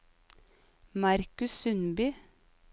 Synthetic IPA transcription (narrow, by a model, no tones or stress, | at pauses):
mɑɾkʉssʉnbyː